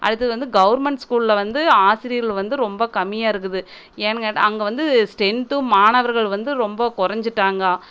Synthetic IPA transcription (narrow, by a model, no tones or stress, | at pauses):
ʔɐ̰ɽɯt̪ːɐðɯʋɐnd̪ɯɡɐʋɐɾmɛɳʈskuːɭɪlɐʋɐnd̪ɯaːsɪɾɪjɾɐɭʋɐnd̪ɯɾɔmbɐkɐmːɪjaːɪɾɯk̬ːɯðɯ | eːnɐɐʈɐŋɡɐʋɐnd̪ɯsʈɛɳʈɯmaːɳɐʋɐɾɣɐɭʋɐnd̪ɯɾɔmbɐkʊɾɐɲd͡ʒɯʈːaːŋɡɐː